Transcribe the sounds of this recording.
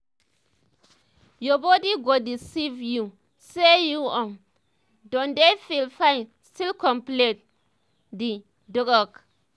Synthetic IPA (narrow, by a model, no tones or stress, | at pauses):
jɔbɔdiɡodisivju | sejuɔ̃m | dɔ̃ndefilfãn | stilkɔ̃mplit̚ | di | dɔkɔk